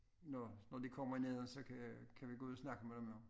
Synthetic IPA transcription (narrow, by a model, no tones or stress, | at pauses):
nɒnɒd̥ikʰɒ̽m̰ɐine̝ðˠəsɒ̽kʰækʰæʋiɡ̥o̝uð̩̰ˠɒsnɑ̈ɡ̥əmed̥emjo